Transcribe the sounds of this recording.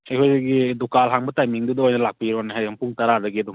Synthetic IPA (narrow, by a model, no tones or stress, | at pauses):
ejɦʰɔjziɡidukalɦaŋbɐtajmiŋdudɔojnɐlak̚piɾanaɦajampuŋtaɾadɐɡiadum